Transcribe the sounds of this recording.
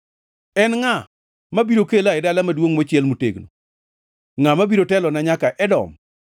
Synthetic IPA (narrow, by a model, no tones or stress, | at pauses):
ɛnŋa | mabiɾokelaɛdalamadwoŋmot͡ʃɪɛlmutḛɡno̰ | ŋamabiɾotɛlɔnaɲakaʔɛdɔ̰m